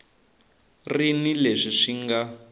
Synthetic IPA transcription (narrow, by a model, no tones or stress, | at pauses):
rinileʂiʂiŋɡa